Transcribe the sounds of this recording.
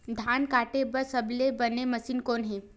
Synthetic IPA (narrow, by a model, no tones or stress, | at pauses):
d̪ʱankaʈebəsəblebəneməsiːnkoːnɦiː